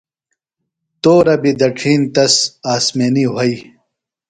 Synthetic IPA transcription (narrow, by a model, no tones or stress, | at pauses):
t̪oːɾɐbid̪ɐʈʰiːnt̪ɐsaːsmeːniɦɐi